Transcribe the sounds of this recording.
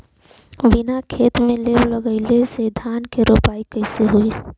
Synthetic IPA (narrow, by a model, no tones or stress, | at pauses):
ʋinakʰeːt̪mẽlewləɡəɪlesed̪ʱaːnkeɾoːpaːikəɪseɦui